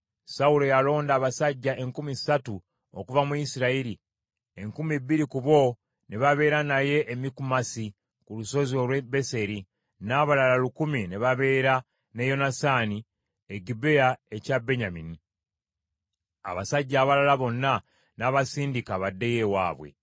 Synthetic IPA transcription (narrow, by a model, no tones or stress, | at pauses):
saulo̞jalo̞ːndaːβasaɟːaʔe̞ŋkumisatu | o̰kuvamuisiɾaiɾi | e̞ŋkumibːiɾikuβo̞ | neβaβe̞ːɾanaje̞ʔːmikumasi | kuluso̞zio̞lwebe̞se̞ɾi | naːβalalalukumineβaβe̞ːɾa | ne̞jo̞nasaːni | eɡibe̞ae̞cabe̞ɲamini | a̰βasaɟːaːβalalaβo̞nːa | naβasiːndikaβadːe̞je̞wa̰ːβwḛ